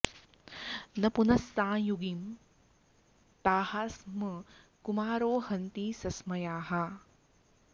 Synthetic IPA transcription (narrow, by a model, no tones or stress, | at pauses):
nɐpunɐsːãːjuɡim | t̪aːhaːsmɐ | kumaːɾoːhɐnt̪iːsɐsmɐjaːɦa